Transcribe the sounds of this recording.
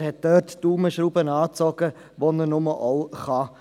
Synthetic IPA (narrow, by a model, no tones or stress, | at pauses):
hɛt̚d̥ørtd̥uːməʃɾuːbənɑːt͡sɔɡ̥ə | ʋonənʊməʔɔʊχɑ